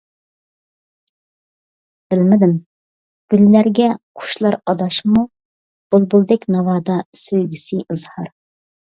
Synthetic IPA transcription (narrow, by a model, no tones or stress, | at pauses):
b̥ɪlmɪd̪ɪm | ɡ̥ʲylːæɾɡʲɛqʰʊ̥ʃlˠɑɾɑd̪ɑʃmu | b̥ulˠbulˠd̪ɛkʲnɑwɑːd̪ɑsøjɡʲysɨʔɨzhɑɾ